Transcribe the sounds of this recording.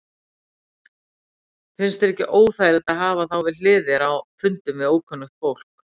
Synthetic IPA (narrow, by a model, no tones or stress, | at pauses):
fɪnst̪ɛɾɛhcɪʔoːwθajɾɛt̪aðɦaːvaθawvɪðlɪːðɪɾawfʏnt̪ʏmvɪðoːwkʰœnːʏxt̪fowl̥k